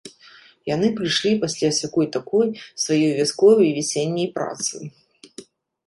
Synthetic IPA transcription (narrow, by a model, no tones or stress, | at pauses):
janɨpɾɨjʂlʲipasʲlʲasʲakɔjt̪akʰɔjsvajɔjvʲaskɔvɐjvʲisʲenʲːɐjpɾa̰t̪sɨ̰